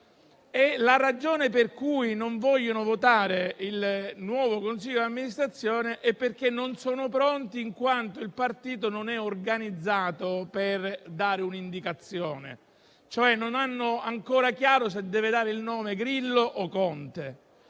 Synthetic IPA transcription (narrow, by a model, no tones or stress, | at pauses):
ɛlaɾad͡ʒoːneperkujnoɱvɔʎːonovot̪aːɾeilnwɔːvokonsiʎːod̪amːinist̪ɾat̪sːjoːneʔɛpːerkenːonsɔːnopɾɔnt̪iːŋkwant̪oilpart̪iːt̪ononɛorɡanid̪zːaːt̪operd̪aːɾeunind̪ikat̪sːjoːnḛ | t͡ʃoɛnːonanːoʊaŋkoːɾakjaːɾos̬ed̪ːɛːved̪aːɾeilnɔːmeɡɾilːoʔokɔnt̪e